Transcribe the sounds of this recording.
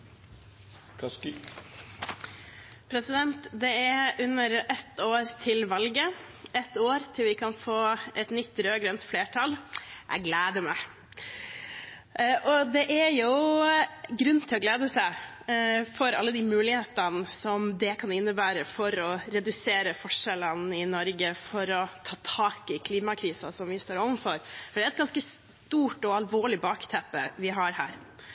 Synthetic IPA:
ks | pʰɾɛsɪd̪ɛnt̪d̪ɛæʔʉnːəɾɛt̪oːɾt̪ʰɪlʋɑlɡə | ɛt̪ːoːɾt̪ʰɪlʋɪkʰɑnfoːʔɛt̪nʏt̪ːɾøːɡɾœnt̪fleːʈʰɑlʔæ̰ɪɡleːd̪əɾmæɪ | ʔɔd̪ɛʔæɾjʊ | ɡɾʉnːt̪ʰɪlɔɡleːd̪əsæɪ | fɔɾɑ̰lːəd̪imʉːlɪheːt̪ənəsɔmd̪ɛkʰɑnɪnːəbæːɾəfɔɾɔɾɛd̪ʉseːɾəfɔʂɛlənɪnɔɾɡəfɔɾɔt̪ʰɑːt̪ʰɑːkɪkʰliːmɑkʰɾiːsɑsɔmʋɪst̪oːɾɔʋənfɔɾfɔɖɛæɾɛt̪̚ɡɑnskəs | t̪uːʈɔɑlʋoːɭɪbɑːkt̪ʰɛpːə̰ʋɪɦɑɾhæ̰ːɾ

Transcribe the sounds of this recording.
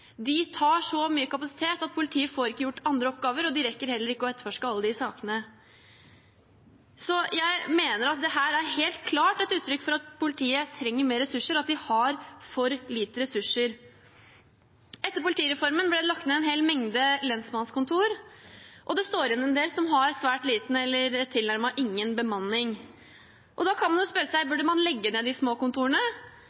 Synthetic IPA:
d̪ɪt̪ʰɑːʂɔmyːəkɑpɑsɪ̥t̪ʰeːt̪ɑt̪̚pʰʊlɪt̪ʰiːəfoːɾɪkːəjʊʈːɑnd̪ɾəɔp̚ɡɑːʋəɾɔd̪ɪɾɛkːəɾhɛlːəɾɪkːəɔɛt̪əɾfɔʂkəɑlːəd̪ɪsɑːkənə | sɔjæɪmeːnəɾɑt̪̚d̪ɛɦæːɾæɾɦeːlt̪̚kʰlɑːʈɛt̪ʉːt̪ʰːɾʏkːfɔɾɑt̪pʰʊlɪt̪ʰiːət̪ʰɾɛŋːəɾmeːɾɛsʉʂːəɾɔɑt̪̚d̪ɪhɑɾfɔɾliːt̪əɾɛsʉʂːəɾ | ʔɛt̪ːəɾpʊlɪt̪iːɾɛfɔɾmənblɛd̪ɛlɑk̚t̪meɛnɦeːlmɛŋd̪əlɛnsmɑnskʊnt̪ʰuːɾʔɔd̪ɛst̪oːɾɪnɛnd̪eːlsɔmɦɑɾsʋæːʈliːt̪n̩ɛlːəɾɛt̪ʰːɪlnæɾmɑʔɪŋːənbəmɑnːɪŋ | ʔɔd̪ɑkʰɑnmɑnjʊspœɾəsæɪbʉɖəmɑnlɛɡːəneːd̪ɪsmoːkʊnt̪ʰuːɾəɳə

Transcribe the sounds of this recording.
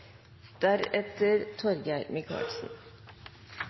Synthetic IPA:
d̪̥æɾɛt̪əɾt̪ʰɔɾɡæɪmɪkʰɑ̰ːlsn̩

